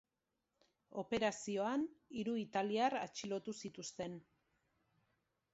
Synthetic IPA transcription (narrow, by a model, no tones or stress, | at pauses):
o̞pe̞ɾasio̞aniɾuit̪aliara̰t͡ʃilo̞t̪usit̪ust̪e̞n